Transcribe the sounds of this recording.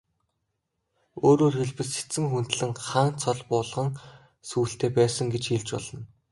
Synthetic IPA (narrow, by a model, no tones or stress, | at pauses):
oːɾoːrxeɮpɘ̆se̥t͡sɘ̆ŋxun̥t̪ɮɘ̆ŋχaːnt͡sʰɔɮpʊːɮʁə̆ŋ | suːɬt̪eːpæːsə̆ŋɡet͡ɕxiːɮt͡ɕpɔ̰ɮɞ̆n